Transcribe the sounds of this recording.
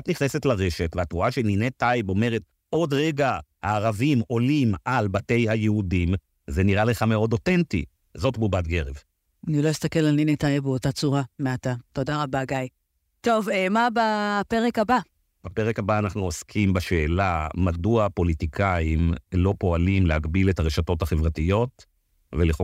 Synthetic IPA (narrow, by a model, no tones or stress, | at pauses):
atniχnese̞tlaʁe̞ʃe̞tveatʁuaʃeninetajbo̞me̞ʁet̚ | ʔo̞dʁeɡahaːʁavimo̞limʔalbate̞jhajeudim | zeniʁale̞χameo̞do̞tentḭ | zo̞tbubat̚ɡeʁev | anilo̞jist̪akelalninetajbeotat͡suʁameatato̞daʁabaɡaj | to̞vemabapeʁekaba | b̥apeʁekabaːnaχnuoskʰimbaʃe̞ːlamaduapo̞litikʰaimlo̞po̞alimlehaɡbiletaʁeʃato̞thaχevʁatijo̞t | vele